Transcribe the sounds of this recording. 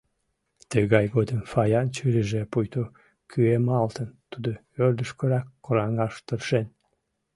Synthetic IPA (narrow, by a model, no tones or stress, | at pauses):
t̪əɣɑjɣod̪əmfɑjɑnt͡ɕyɾəʒepujt̪o | kʰyemɑlt̪ənt̪ud̪o | ørd̪əʃkəɾɑkːoɾɑŋɑʃt̪ərʃen